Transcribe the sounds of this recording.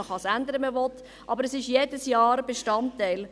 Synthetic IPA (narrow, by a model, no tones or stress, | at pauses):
əχɑsænd̪əɾəməvɔt | ʔɑbəɾɛsɪʃjeːdəsjɑːɾbeʃtɑntæɪl